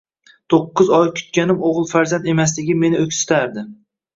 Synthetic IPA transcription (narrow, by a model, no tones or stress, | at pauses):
t̪ʰoqːɨzɒjkʲʰʊ̥t̪̚kʲanɪmoʁɨlˠfaɾzand̪e̞mas̬lɪɡʲɪme̞nɪɵkʲsɪ̥t̪ʰaɾd̪ɪ